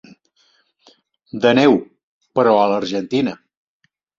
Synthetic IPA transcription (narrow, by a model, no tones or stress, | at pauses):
d̪ənɛw | pəɾɔələɾʒənt̪inə